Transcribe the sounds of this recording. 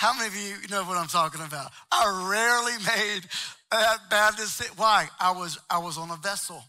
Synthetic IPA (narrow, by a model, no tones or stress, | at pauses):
haʊmeɪbijɨnoʊwʌɾãɪ̃mtʰɔkɪ̃ŋɨbaʊt̚aɪɹɛɹlˠimeɪdt̚b̥æd̚tɨsɪʔ̚waɪʔaɪwʌzaɪwʌzn̩əvɛsl̩ˠ